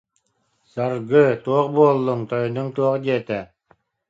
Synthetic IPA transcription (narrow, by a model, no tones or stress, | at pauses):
saɾɡɯt̪uɔqbuɔlˠːɯŋt̪ɔjnɯŋt̪uɔqd̪iɛt̪ɛ